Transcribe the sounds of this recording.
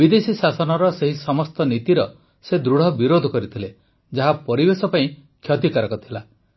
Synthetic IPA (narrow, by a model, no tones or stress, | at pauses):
bid̪esisasɔnɔɾɔseɦisɔmɔst̪ɔnit̪iɾɔ | sed̪ɾuɽ̤ɔbiɾod̪ʱɔkɔɾit̪ʰile | d͡ʒaɦapɔɾibesɔpaĩkʰjɔt̪ikaɾɔkɔt̪ʰila